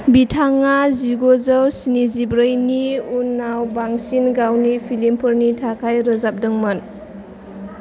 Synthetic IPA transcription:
bitʰaŋaziɡozəwsinizibɾəjniunːawbaŋsinɡawnipʰilimpʰɯɾnitʰakʰajɾəzap̚dəŋmən

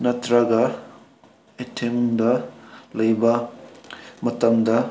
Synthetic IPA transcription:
nɐtɾɐɡɐ | etʰemdɐlɐjbɐ | mɐtɐŋdɐ

